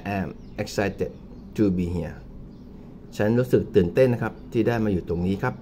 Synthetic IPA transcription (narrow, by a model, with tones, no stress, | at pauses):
ʔɛː˧m | ʔe˦˥k̚sa˦jt̪e˨˩t̪̚ | t̪ʰuː˧biː˨˧ɦi˨˩ɐ | t͡ɕʰa˦˥nɾuː˦˥sɯ˨˩k̚t̪ɯː˨˩nt̪e˥˩nːa˦˥kʰa˦˥p̚t̪ʰiː˥˩daː˥˩jmaː˧juː˨˩t̪o˧ŋniː˦˥kʰa˦˥p̚